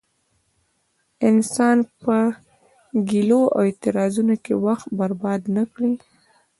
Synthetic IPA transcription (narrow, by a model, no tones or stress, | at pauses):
ɪnsɑnpə | ɡiloa̰wet̪ɪɾɑzunokewaxt̪baɾbɑd̪nakɽi